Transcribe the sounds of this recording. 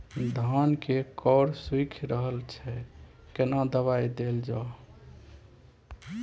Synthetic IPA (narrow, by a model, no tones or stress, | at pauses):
d̪ʱənkekɔɾswikʰɾəɦəlt͡ʃʰɛ | kenad̪əβajd̪eld͡ʒa